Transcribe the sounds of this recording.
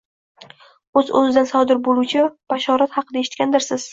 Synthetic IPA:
ɵzɵ̰zɪd̪ansɒd̪ɪɾbolˠuwt͡ʃʰɪb̥aʃɒɾat̪hɑqʰɨd̪aeʃɪ̥t̪̚kʲand̪ɪɾsɪz̥

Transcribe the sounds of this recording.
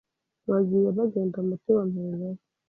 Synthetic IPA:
βaɡijeβaɡeːndamutewameːɡe

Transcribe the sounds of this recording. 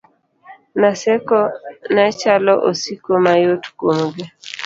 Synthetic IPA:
nasɛkɔnat͡ʃalɔʔosikomajotkomɡe

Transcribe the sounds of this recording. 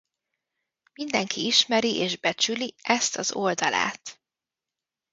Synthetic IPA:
mind̪ɛŋkʰiiʃmɛɾiʔeːʒbɛt͡ʃyliʔɛst̪ɒzo̞ld̪ɒla̰ːt̪

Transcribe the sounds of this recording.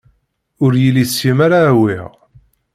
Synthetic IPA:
ʊɾjilːisimaɾawi

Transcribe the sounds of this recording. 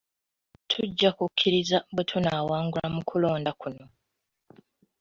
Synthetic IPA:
tʰuɟːakukʰːiɾizabwetʰunaːwaːŋɡulamukʰulo̞ːndakuno̞

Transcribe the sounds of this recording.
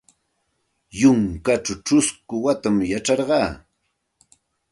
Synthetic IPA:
jʊŋkaʈ͡ʂaʈ͡ʂʊskʊwat̪amjaʈ͡ʂɑɾɢɑː

